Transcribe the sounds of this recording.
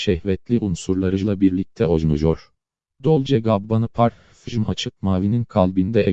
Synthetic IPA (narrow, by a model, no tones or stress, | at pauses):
ʃɛhvɛt̪ʰlʲiʔunsuɾlˠaɾɯʒlˠabiɾlʲic̚t̪ʰɛoznṵʒoɾ̥ | d̪olˠd͡ʒɛɡabbanɯpʰaɾ | fiʒmat͡ʃʰɯk̚maːvininkʰalʲˠbind̪ɛɛ